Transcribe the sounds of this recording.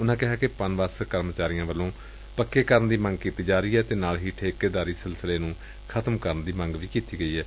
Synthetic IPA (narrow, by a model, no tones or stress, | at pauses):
ʊnãːkɪɦaːkepənʋaskəɾmt͡ʃaːɾɪjãːʋəlːõː | pəkːeːkəɾənd̪iːmə̃ŋɡkiːt̪iːd͡ʒaːɾiːɛːt̪eːnaːlɦiːʈʰeːkeːd̪aːɾiːsɪlsəleːnũː | kʰət̪əmkəɾənd̪iːməŋɡʋiːkiːt̪iːɡəiːɦɛː